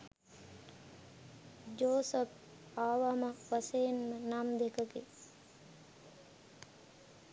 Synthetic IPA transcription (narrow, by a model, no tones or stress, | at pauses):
d͡ʒoːsəp̚ | aːʋamaʋasejnmənamd̪ekəɡe